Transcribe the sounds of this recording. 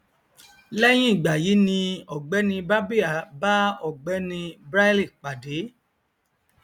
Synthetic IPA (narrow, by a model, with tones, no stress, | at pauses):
lɛ˦j̃ĩ˦i˦˨ɡ͡ba˨ji˨˦nĩ˧ɔ˨ɡ͡bɛ˨˦nĩ˧ba˦bi˦a˨ba˦ɔ˦˨ɡ͡bɛ˨˦nĩ˧bɾa˦li˦˨k͡pa˨de˨˦